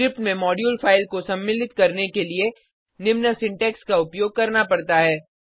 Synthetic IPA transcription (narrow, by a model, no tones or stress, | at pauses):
ɾɪp̚ʈmẽmɔːɖjuːlfaːɪlkosɐ̃mːɪlɪt̪kɐɾnekelie | nɪmnəsɪ̃ɳʈɛːkskaʊpjoːɡ̚kɐɾnapɐɽt̪aɦɛː